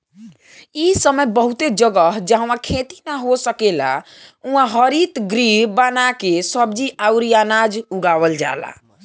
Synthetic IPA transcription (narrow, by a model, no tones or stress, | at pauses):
isəməjbəɦut̪ed͡ʒəɡəɦd͡ʒãɦãkʰet̪i̥naɦosəkela̰ | ũɦãɦəɾit̪ɡɾibanakesəbd͡ʒiʔawɾijanad͡ʒuɡawəld͡ʒa̰la̰